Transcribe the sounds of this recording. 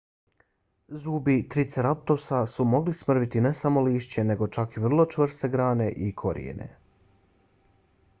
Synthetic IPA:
zuːbit̪ɾit̪seɾap̚t̪osasumo̞ɡlismr̩ʋit̪ine̞samo̞liːʃt͡ɕe̞ne̞ɡo̞t͡ʃakiʋr̩lˠo̞t͡ʃʋr̩st̪e̞ɡɾaːne̞ʔikʰo̞̰ɾḭḛne̞̰

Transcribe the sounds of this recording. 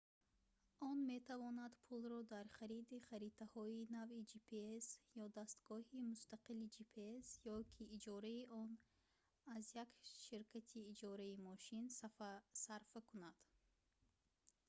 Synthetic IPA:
ɔnme̞t̪ʰavɔnad̪pʰulɾɔd̪aɾχaɾid̪iχaɾit̪ʰahɔinavid͡ʒipʰeesjɔd̪ast̪ɡ̥ɔhimust̪aqilid͡ʒipʰeesjɔkʰiːd͡ʒɔɾaiʔɔn | azjakʃiɾkʰat̪ʰiːd͡ʒɔɾaimɔʃinsasaɾfakunad̪̥

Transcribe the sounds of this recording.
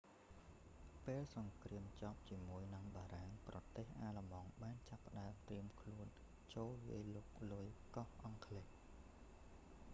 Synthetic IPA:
peːlsɑŋkriəmt͡ɕɑːp̚t͡ɕiəmuəjnɨŋɓaːɾaŋprɑt̪eːhʔaːlə̆mɑŋɓaːnt͡ɕapːə̆ɗaəmt̪riəmkʰluən | t͡ɕoːlʋiəloːk̚lujkɑhʔɑŋkʰleh

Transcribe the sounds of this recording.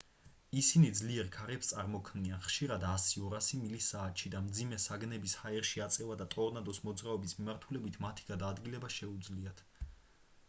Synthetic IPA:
isinid̪zliɛɾkʰaɾɛpst̪sʼaɾmɔkʰmnianχʃiɾad̪asiɔɾasimilisaːt̪ʃid̪amd̪zimɛsaɡnɛbishaɛɾʃiat̪sʼɛvad̪at̪ʼɔɾnad̪ɔsmɔd̪zɾaɔbismimaɾt̪ʰulɛbit̪ʰmat̪ʰi̥ɡ̥ad̪aːd̪ɡilɛbaʃɛud̪zliat̪ʰ

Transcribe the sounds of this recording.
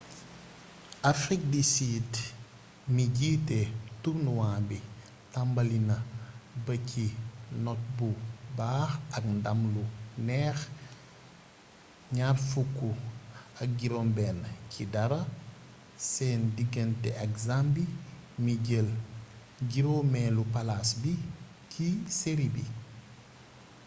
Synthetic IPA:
afɾik̚disiːd | miɟiːtɛtubnuwaːmbi | tɐmbɐlinɐbɐcʰinɔt̚bubaːxɐk̚ndɐmlunɛːx | ɲaːrfukːuɐk̚ɡiɾɔːmbɛːncʰidɐɾɐ | sɛːndiɡəntɛʔɐkzambimiɟəl | ɡiɾɔmɛːlupɐlasbi | cʰiseɾibḭ

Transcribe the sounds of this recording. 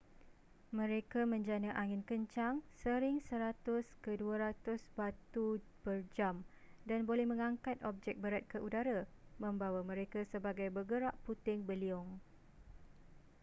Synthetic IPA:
mə̃ɾekamə̃ɲd͡ʒanaʔaŋɪnkəɲt͡ʃaŋsəɾɪŋsəɾat̪ʊskəduaɾat̪ʊsbat̪ubərd͡ʒamdanbolɛhmə̃ŋãŋkat̪ɔb̚d͡ʒɛk̚bəɾat̪̚kəʔudaɾamə̃mbawamə̃ɾekasəbaɡajbəɡəɾaʔput̪ɪŋbəliɔŋ

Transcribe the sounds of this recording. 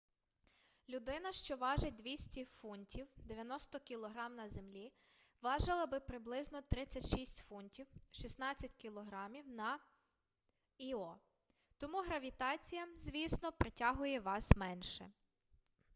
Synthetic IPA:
lʲʊd̪ɪnɐʃt͡ʃɔʋɑʒed̪ʋʲisʲtʲifunʲtʲʰiwd̪eʋʲjɐnɔst̪ɔkʲilˠɔɦɾɑmnɐzemlʲi | ʋɑʒɪlˠɐbɪpɾɪblˠɪznɔt̪ɾɪt͡sʲːɐtʲʃisʲtʲfunʲtʲiwʃisnɑt͡sʲːɐtʲkʲilˠɔɦɾɑmʲiwnɐ | iɔ | t̪ɔmuɦɾɐʋʲit̪ɑt͡sʲijɐzʲʋʲisnɔpɾetʲaɦʊjɛʋɑsmɛnʃɛ̰

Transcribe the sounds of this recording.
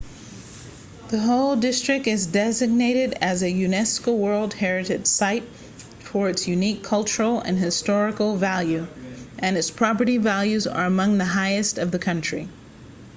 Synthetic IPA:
ðɨɦoʊlˠdɪstɹ̥ɨk̚tɨzdɛzɨɡ̚neɪɾɪɾɨzɨjʉnɛskoʊwɜ˞lˠd̚hɛɹɨɾɨd̥saɪtʰ | ɔɹɨdsjʉnikʰʌlˠt͡ʃə˞l̩ˠɨ̰̃nɨstɔɹɨkl̩ˠvælˠjʉʔɨ̃nɨtspʰɹ̥ɑpə˞ɾivælˠjʉzə̰˞ɨmʌ̃ŋðɨɦaɪɨstʌvðɨkʰʌ̃nt͡ʃɹ̥ḭ

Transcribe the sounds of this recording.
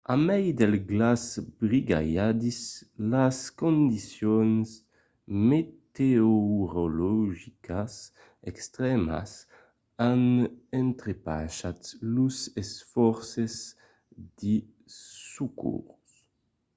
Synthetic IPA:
amɛjd̪ɛlɡlazbʁiɡa̰jad̪islaskõnd̪isjɔns | met̪eoɾolɔʒikas | ɛkst̪ʁɛma̰s | anɛnt̪ɾepa̰ʃat̪luzɛsfɔɾsez | d̪̥i | sukʰṵɾus

